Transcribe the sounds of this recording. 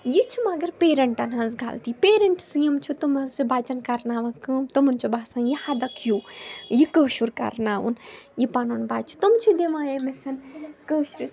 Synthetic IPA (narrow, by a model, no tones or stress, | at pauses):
jit͡ʃʰimɐɡɐɾpeːɾɐɳʈɐnɦɐ̃nzɡʱa̰lt̪ipeːɾɐɳʈsɨjɐmt͡ʃʰut̪umɐzibaːt͡ʃɐnkɐɾnaːʋɐkɨmt̪umɐnt͡ʃʰubaːsãnjihad̪ɐkʰjuːjikəːʃuɾkɐ̰ɾnaːʋṵnjipaːnunbaːt͡ʃʰi̥t̪umt͡ʃʰid̪iʋãːemisɐnkəʃɾi